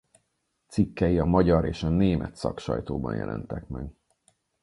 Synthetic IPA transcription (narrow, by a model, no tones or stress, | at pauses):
t̪sikːɛjiɒmɒɟɒɾeːʃɒneːmʔɛt̪sɒkʃɒ̰jt̪oːbɒnjɛ̰lʔɛ̰nt̪ɛkmɛɡ